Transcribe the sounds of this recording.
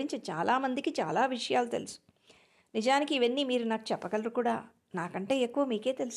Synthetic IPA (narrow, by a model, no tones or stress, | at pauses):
iɲt͡ʃɐt͡ʃaːlʔaːmɐnd̪ikit͡ʃa̰ːlaːʋiʂɐjaːlut̪e̞lusu̥ | nid͡ʒaːnikiːʋɐnːimiːɾunaːku̥t͡ʃɛpːɐkɐlɐɾukuːɽaː | naːkɐɳʈe̞ːekːuʋɐmiːke̞ːt̪e̞lus